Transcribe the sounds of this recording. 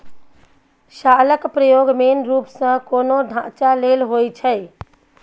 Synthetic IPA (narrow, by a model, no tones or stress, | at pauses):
ʃaləkpɾəjoɡmenɾupsə̃konod̪ʱãt͡ʃalelɦojt͡ʃʰəj